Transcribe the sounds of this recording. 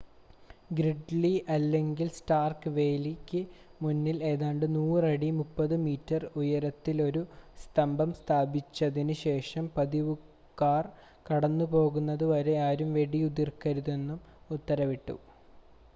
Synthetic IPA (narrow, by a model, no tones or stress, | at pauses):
ɡɾiɖliʔɐlːe̞ŋɡilsʈaːrkɨʋe̞ːlikʲːɨmunːile̞ːðaːɳɖɨnuːrɐɽimupːɐðɨmiːtːɐrujɐɾɐt̪ːilo̞ɾust̪ɐmbɐmst̪ʰaːbit͡ɕːɐðinɨɕe̞ːʂɐmpɐðiʋu | kːaːr | kɐɽɐnːupo̞ːɣunːɐðɨʋɐɾe̞aːɾumʋe̞ɽiud̪irkɐɾuðe̞nːum | ut̪ːɐɾɐʋiʈːṵ